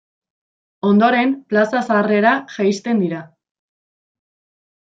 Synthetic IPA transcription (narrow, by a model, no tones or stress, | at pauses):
o̞nd̪o̞ɾe̞mplasasare̞ɾaʝajst̪e̞nd̪iɾa